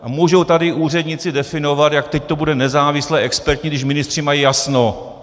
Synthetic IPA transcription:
muːʒowt̪adɪʔuːr̝ɛdɲɪt͡sɪdɛfɪno̞vat̪jakt̪ɛct̪o̞budɛnɛzaːvɪslɛːʔɛkspɛɾt̪ɲɪɡdɪʃ̬mɪnɪst̪r̝̥ɪmajijasno

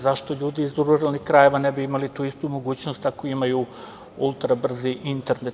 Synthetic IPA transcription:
zaʃt̪o̞ʎuːd̪iːzd̪uɾuɾalnixkɾaje̞ʋanebiimalit̪uːist̪umo̞ɡuːt͡ɕno̞st̪akoimaju | ulˠt̪ɾabr̩ziʔint̪e̞ɾne

